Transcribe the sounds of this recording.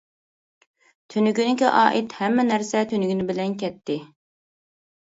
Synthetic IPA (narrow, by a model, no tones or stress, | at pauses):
t̪ʰønyɡʲynɪkʲiʔɑːʔit̪hɛmːɛnæɾsɛt̪ʰynyɡʲynɪbɪlɛnkʲɛt̪ːɪ